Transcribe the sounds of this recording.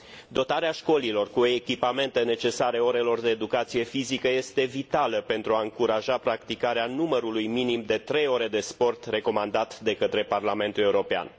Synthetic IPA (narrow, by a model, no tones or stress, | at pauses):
d̪o̞t̪aɾeaʃko̞lilo̞rkuoekʲipame̞nt̪e̞ne̞t͡ʃe̞saɾe̞o̞ɾe̞lo̞rd̪e̞ːd̪ukat̪sije̞fizikəje̞st̪e̞vit̪aləpe̞nt̪ɾuaɨŋkuɾaʒapɾakt̪ikaɾeanuməɾulujminimd̪e̞t̪ɾe̞jo̞ɾe̞d̪e̞spo̞rt̪re̞ko̞mand̪at̪d̪e̞kət̪ɾe̞parlame̞nt̪ule̞uɾo̞pea̰n